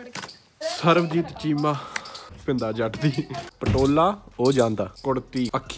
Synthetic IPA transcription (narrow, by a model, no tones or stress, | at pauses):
səɾʋd͡ʒiːt̪t͡ʃiːmaːpɪ̃nd̪aːd͡ʒəʈd̪iːpəʈoːlaːoːd͡ʒãːnd̪aːkʊɽt̪iːəkʰː